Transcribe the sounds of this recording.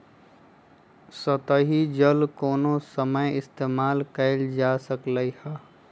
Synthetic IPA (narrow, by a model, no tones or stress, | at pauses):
sət̪əɦid͡ʒəlkoːnosəməjɪst̪eːmaːlkəɪld͡ʒaːsəkləihɛː